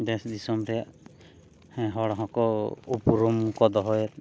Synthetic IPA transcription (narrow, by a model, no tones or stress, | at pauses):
d̪esd̪isɔmɾɛjaʔ | ɛɦɔɽɔɦɔ̃kɔupuɾɔmkɔd̪ɔɦɔjɛt̪